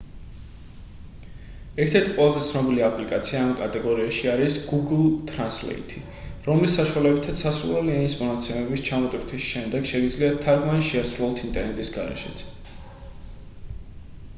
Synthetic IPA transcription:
ɛɾt̪ʰɛɾt̪ʰiqʼwɛlˠazɛt̪sʰnɔbiliapʼlikʼat̪sʰiaːmkʼat̪ʼɛɡɔɾiaʃiaɾisɡ̥uɡlˠt̪ʼɾanslɛ̰ḭt̪ʰi | ɾɔmlisːaʃualɛbit̪ʰat̪sasɾṵlˠɔlinismɔnat̪sʰɛmɛbist͡ʃʰamɔt̪ʼwiɾt̪ʰisʃɛmd̪ɛɡ̥ʃɛɡid̪zliat̪ʰːaɾɡmaniʃɛasɾulˠɔlt̪ʰint̪ʼɛɾnɛt̪ʼisɡa̰ɾɛ̰ʃɛ̰t̪sʰ

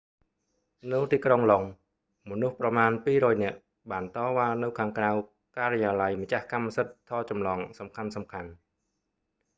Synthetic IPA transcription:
nɨwt̪iːkroŋloŋ | monuhprɑmaːnpiːɾɔːjnɛ̆əʔ | ɓaːnt̪ɑːʋaːnɨwkʰaːŋkraw | kaːɾejaːlajmat͡ɕahkamːasət̪ʰːɑːt͡ɕɑmlɑːŋsɑmkʰansɑmkʰan

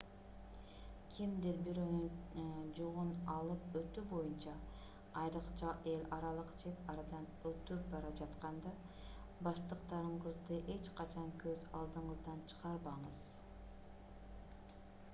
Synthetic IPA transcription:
kʲʰimd̪iɾbyɾønyd͡ʒuʁunɑlˠɯpøt̪ybo̞junt͡ʃɑː | jɾɯqt͡ʃɑe̞lʲɑɾɑlˠɯqt͡ʃe̞t̪ɑɾɑd̪ɑnøt̪yp̚bɑɾɑd͡ʒɑt̪qɑnd̪ɑ | bɑʃt̪ɯqt̪ɑɾɯɴqɯzd̪ɯʔe̞t͡ʃqʰɑt͡ʃʰɑŋkøzɑlˠd̪ɯɴɯzd̪ɑnt͡ʃʰɯ̥ʁɑɾbɑɴɯz̥

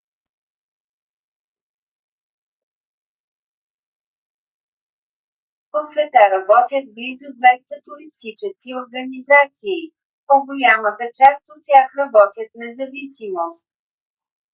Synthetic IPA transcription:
posvɛt̪aɾɐbɔt̪ʲjət̪̚blizʊd̪vɛst̪ət̪uɾist̪it͡ʃɛskioɾɡənizat̪siː | poɡolʲamət̪ət͡ʃast̪ot̪ʲːjaxɾɐbɔt̪ʲjət̪̚nɛzɐvisimo

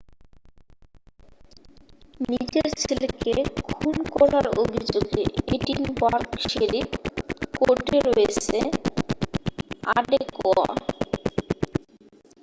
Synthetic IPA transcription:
nid͡ʑeɾt͡ɕʰilkekʰunkɔɾaɾobʱid͡ʑoɡḛeʈinbaɾkʃeɾikoʈeɾɔjet͡ɕʰe | aɖekɔa̰

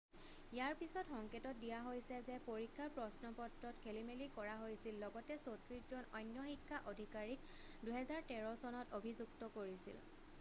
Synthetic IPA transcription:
ijaɹpisɔtxɔŋketɔt̚dijaɦojsɛzɛpoɹikʰːaɹpɹɔsnɔpɔtɹɔtkʰelimelikɔɹaɦojsilːɔɡɔtɛsotɹiszɔnɔjnjɔxikʰːaʔodʱikaɹik̚ | duɦɛzaɹtɛɹɔsɔnɔtobʱizuktɔkoɹisḭl

